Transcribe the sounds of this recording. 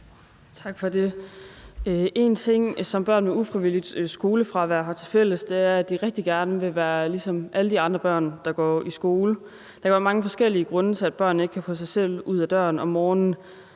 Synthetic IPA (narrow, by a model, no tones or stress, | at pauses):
t͡sʰɑ̈ɡ̥fɒ̽de̝ | ʔe̝nt͡sʰe̝ŋ̰sɒ̽mb̥ɶɐ̰nmeufʁiʋilid̥sɡ̥o̝ːləfʁɑ̈ʋæɐ̰ɦɑ̈t͡sʰe̝lfel̰əsd̥e̝æɐæd̥iʁɛɡ̥̚d̥iɡ̥æɐnəʋe̝ʋæːɐlisɒ̽mʔæləd̥iɑ̈nd̥ʁɐb̥ɶɐ̰nd̥ɑ̈ɡ̥ɒ̰ːisɡ̥o̝ːlə | d̥ɑ̈kʰææɐmɑ̈ŋəfɒ̽sɡ̥el̰iəɡ̥ʁɔ̽nət͡sʰe̝æd̥̚b̥ɶɐ̰n̩e̝ɡ̥̚kʰæfɔ̰̽ːsɑ̈ɪsel̰uð̞̰ˠæd̥ɶɐnɒ̽mːɒːnn̩